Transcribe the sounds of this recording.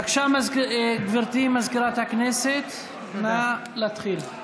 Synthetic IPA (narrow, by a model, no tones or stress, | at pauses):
akʃamazɡviʁt̪imazkiʁat̪hakneset̪ | ma | lat̪χil